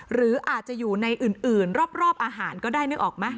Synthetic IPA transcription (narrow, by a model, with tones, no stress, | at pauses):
ɾɯː˩˦ʔaː˨˩t̪̚t͡ɕa˨˩ʔjuː˨˩na˧jʔɯː˨˩nʔɯː˨˩nɾɔː˥˩p̚ɾɔː˥˩p̚ʔaː˧ɦaː˩˦nkɔː˥˩daː˥˩jnɯ˥˩ʔɔː˨˩k̚ma˦˥˩